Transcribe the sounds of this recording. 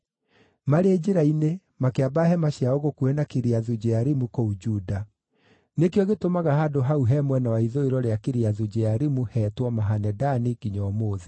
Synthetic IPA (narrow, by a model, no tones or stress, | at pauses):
maɾeːd͡ʑeɾaine | makeabaɦɛmaɕjaɔɣokuenakiɾiaðud͡ʑɛaɾimukoud͡ʒuːda | nekjɔɣetomaɣahadoɦauɦɛmwɛnawaiðoiɾɔɾeakeɾiaðud͡ʑɛaɾimuhɛːtwɔmaɦanɛdaniɣiɲɔːmoːði